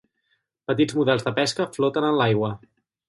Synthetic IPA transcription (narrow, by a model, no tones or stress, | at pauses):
pət̪id͡zmuðɛlˠzðəpɛskəflɔt̪ənənlajɣwə